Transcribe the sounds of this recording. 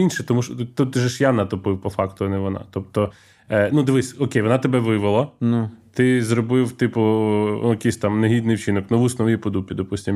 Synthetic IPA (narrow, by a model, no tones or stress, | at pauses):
inʃɛt̪ɔmuʃɔt̪ut̪ʒɛʃjanɐt̪ɔpɪwpɔfɑkt̪ʊɐnɛʋɔnɑ̰t̪ɔpt̪ɔ | nud̪ɐʋɪsʲɔkejʋɔnɑt̪ebɛʋɪʋɪlˠɐnt̪ɪzɾɔbɪwt̪ɪpʊjɐkɪsʲt̪ɑmneɦʲid̪nɪjwt͡ʃɪnɔknɔʋusnɔʋʲipɔd̪upʲid̪ɔpusʲtʲim